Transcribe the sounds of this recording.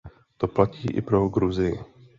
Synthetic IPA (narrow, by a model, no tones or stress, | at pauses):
t̪oplacḭːʔɪ̰pɾo̞ɡɾuzɪjɪ